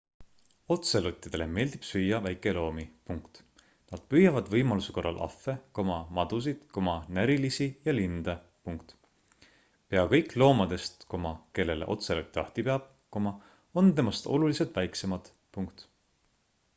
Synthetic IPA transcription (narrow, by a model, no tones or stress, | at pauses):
o̞t̪selut̪ʲːˑid̪̥e̞le̞̰me̞ːld̪̥ib̥syːjːɑvæjkːˑe̞lo̞ːmipuŋkt̪ | nɑd̪̥pyjɑvɑd̪vɤjmɑlusuko̞rːɑ̰lʔɑ̰fːe̞ko̞mɑmɑd̪̥us̬id̪̥ko̞mɑnæɾilisijɑlind̪̥ɑ | puŋkt̪ | pe̞ɑkɤjkˑlo̞ːmɑd̪̥e̞st̪ko̞mɑke̞lːe̞lḛʔo̞̰t̪selot̪ʲːˑiɑht̪ipeɑb̚ | komɑ | o̞nt̪e̞mɑst̪o̞̰luliset̪væjkse̞mɑd̪̥ | puŋkt̪